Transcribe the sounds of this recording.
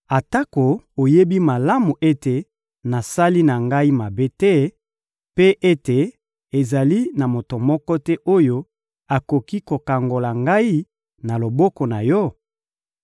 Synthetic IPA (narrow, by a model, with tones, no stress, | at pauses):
a˨ta˦ko˨o˨je˦bi˦ma˨la˦mu˨ʔe˦te˨ | na˨sa˦li˦na˨ŋɡa˦i˦ma˨be˦tɛ˦ | pe˦ʔe˦te˨ | e˨za˨li˦na˨mo˨to˨mɔ˦kɔ˦tɛ˦ʔo˦jo˦ | a˨ko˨ki˦ko˨ka˨ŋɡo˨la˨ŋɡa˦i˦ | na˨lo˨bɔ˦kɔ˨na˨jɔ˦